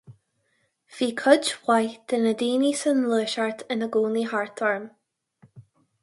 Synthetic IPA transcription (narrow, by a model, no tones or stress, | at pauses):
viːkʰʊd͡ʒwajd̪̥ənəd̪iːnisənləːʃaɹt̪ʰɪnəɡuːniɦaɹt̪ɔɹm